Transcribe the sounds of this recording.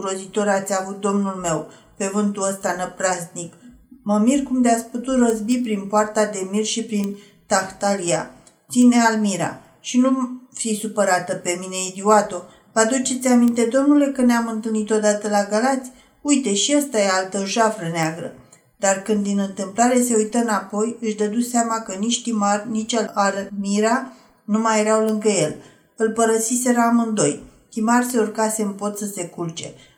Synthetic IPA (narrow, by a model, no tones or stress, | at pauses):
ɾo̞zit̪o̞ɾat̪sʲavut̪̚d̪o̞mnulme̞w | pe̞vɨnt̪uəst̪anəpɾaznik | məmirkumd̪eat̪sʲput̪ut̪rəzbipɾinpoart̪ad̪e̞mirʃipɾin | t̪axt̪alia̰ | t̪sine̞almiɾa̰ | ʃinufisupəɾat̪əpe̞mine̞id̪iwat̪o̞ | vad̪ut͡ʃe̞t̪sʲamint̪e̞d̪o̞mnule̞kəneamɨnt̪ɨlnit̪o̞d̪at̪əlaɡalat̪sʲ | ujt̪e̞ʃiast̪ajealt̪əʒafɾəneaɡɾə̰ | d̪arkɨnd̪inɨnt̪ɨmplaɾe̞se̞ujt̪əɨnapo̞jɨʃd̪əd̪useamakənit͡ʃʲt̪imarnit͡ʃalaɾmiɾa | numajeɾawlɨŋɡəje̞l | ɨlpəɾəsise̞ɾamɨnd̪o̞jt̪imarse̞urkase̞ɨmpo̞t̪səse̞kult͡ʃe̞